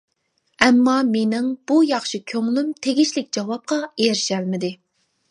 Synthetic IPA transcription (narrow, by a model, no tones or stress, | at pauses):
ɛmːɑmenɪŋb̥ujɑχʃikʲʰøŋlymt̪ʰeɡʲiʃlɪkʲd͡ʒɑwɑp̚qɑeɾɪʃælmɪd̪ɪ